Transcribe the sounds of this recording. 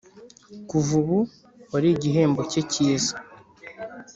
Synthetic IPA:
kuvuβu | waɾiɟiɦe̞ːmbo̞ceciːzḁ

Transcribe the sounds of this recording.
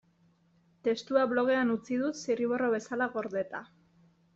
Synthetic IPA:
t̪e̞st̪uaβlo̞ɣ̞e̞anut͡sið̞ut̪siriβo̞ro̞βe̞salaɣo̞ɾðe̞t̪a

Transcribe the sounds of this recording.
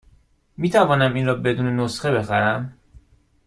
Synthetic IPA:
miːt̪ʰævɒːnæmiːnrɒːbe̞d̪uːne̞nosxe̞be̞xæɾæm

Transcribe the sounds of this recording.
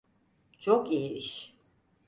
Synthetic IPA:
t͡ʃʰokijeɾiʃ

